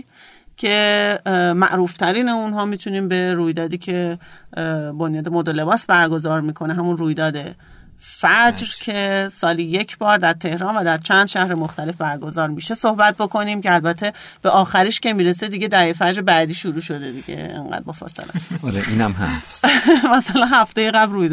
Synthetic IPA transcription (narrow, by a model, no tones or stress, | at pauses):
cʰe̞ | mæ̰ʔɾuːft̪ʰæɾiːneunɦɒːmiːt̪ʰuniːmbe̞ɾuːjd̪ɒːd̪iːcʰe̞ | bonjɒːd̪e̞mod̪ole̞bɒːsbæɾɡo̞zɒːɾmiːkʰo̞neɦæmunruːjd̪ɒːd̪e̞ | fæd͡ʒɾcʰe̞sɒːliːje̞cʰbɒːɾd̪æɾt̪ʰe̞hɾɒːnvæd̪æɾt͡ʃʰænd̪̥ʃæhɾemoxt̪æle̞fbæɾɡo̞zɒːɾmiʃe̞so̞hbæt̪̚bo̞kʰo̞niːmcʰeælbæt̪ʰːe | b̥e̞ʔɒːxæɾiːʃce̞miːɾesed̪iːɟe̞d̪æefæd͡ʒɾebæːd̪iːʃuɾuːʃo̞d̪e̞d̪iɟḛḛŋɢæ̰d̪̚bɒːfɒ̰ːsḛlæ̰sɒɾeʔiːnæmɦæ̰smæsælænhæft̪ejeɣæbrujd̪